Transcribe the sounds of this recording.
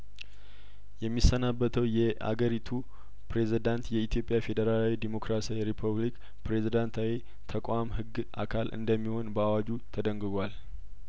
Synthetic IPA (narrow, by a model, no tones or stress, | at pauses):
jɛmːisːənabːət̪ʰəwjɛʔa̰ɡəɾit̪ʰu | pʰɾe̞zid̪ant̪jɛit̪ʰjo̞pʼjafe̞d̪əɾalawid̪emo̞kɾasijɾipʰuβlik | pɾe̞zid̪ant̪ʰawi | t̪ʰəkʼwamhɨɡːʔa̰kʰalʔɨ̰nd̪əmːiho̞nbəawad͡ʒut̪ʰəd̪əŋɡɨɡʷal